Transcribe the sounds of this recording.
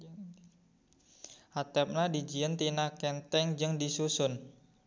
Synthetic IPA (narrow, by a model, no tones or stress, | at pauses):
ʔat̪ɛp̚nadid͡ʒiənt̪inakɛnt̪ɛŋd͡ʒɨŋdisusʊn